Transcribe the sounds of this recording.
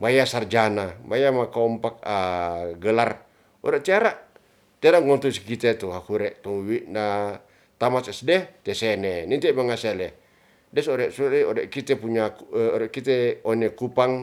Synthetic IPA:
bajasard͡ʒanabajamakaɔmpak̚aɡəlar | ɔ̰ɾɛʔt̪iaɾaʔ | t̪iaɾaŋɔnt̪usi̥kit̪et̪uɦakuɾɛʔt̪ɔŋwiʔna | t̪amasɛsdɛt̪ɛsɛnɛnɛnt̪ɛmaŋasɛlɛ | dɛsɔɾɛʔsuliɔɾɛʔkit̪ɛpuɲauɔɾɛʔkit̪ɛɔnɛkupaŋ

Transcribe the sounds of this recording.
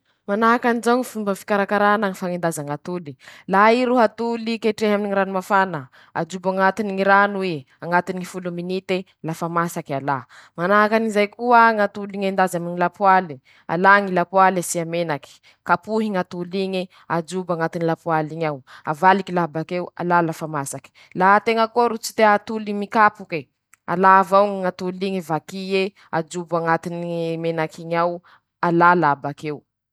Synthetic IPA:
manaɦakanizaŋifumbəfi̥kaɾakaɾanaŋifaŋend̪azaŋat̪ulilaiɾuɦat̪ulikeʈ͡ʂeɦaminiŋiɾanimafanə | a̰d͡ʒubaŋat̪iniŋiɾanue | aŋat̪iniŋifuluminit̪e | lafamasakalamanaɦakanizajkuəŋat̪uliŋend̪azaminilapuali | a̰laŋilapwalasiamenaki̥ | kapuɦiŋat̪uliɲi | ad͡ʒubaŋat̪inilapwaliɲawavalikilabakewa̰lalafamasaki̥ | lat̪eŋəkoɾut͡si̥t̪eat̪ulimikapuke | a̰lavawŋiŋat̪uliŋivakie | ad͡ʒubaŋat̪inimenakʰiɲaw | alalabakew

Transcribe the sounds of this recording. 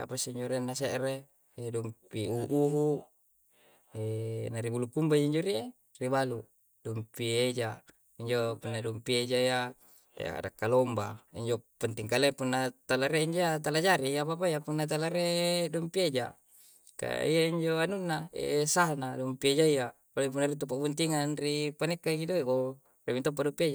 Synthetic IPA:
a̰pasiiɲd͡ʒoɾianːaseʔɾeː | dumpiuʔuɦu | enaɾibulukumbaiaiɲd͡ʒoɾie | ribalu | dumpied͡ʒa | iɲd͡ʒopunːadumpied͡ʒaija̰ | a̰dakːalombaiɲd͡ʒopant̪iŋkalepunːat̪alaɾeiɲd͡ʒoat̪̬alad͡ʒaɾiap̬ap̬aijapunːat̪̬alaɾedompied͡ʒa̰ | ka̰ḭjaiɲd͡ʒoanunːaḛsaɦnadompied͡ʒaia | palip̬unaɾit̪up̬ːaʔbunt̪iŋanripanekːaɡidoeɡo | remint̪ɔp̬ːaʔdɔmpied͡ʒa

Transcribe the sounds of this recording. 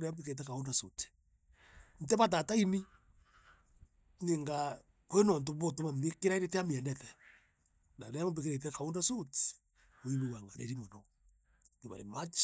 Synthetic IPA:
ɾeambikeet̬ɛkaondasuti̥ | n̩tɛβat̬ataini | ŋeŋɡa | kenɔnt̬oβotomamekeɾaiɾeteamiɛnɛtɛ | naɾeammbekeɾet̬ɛkaondasuti̥ | oiβiwaŋɡaɾeɾimɔno | niβa̰ɾḛmat͡ʃ

